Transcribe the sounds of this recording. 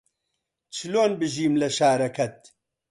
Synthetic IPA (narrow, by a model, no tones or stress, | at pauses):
t͡ʃʰɨloːnbɨʒiːmlɐʃaːɾɐkʰɐt̪̚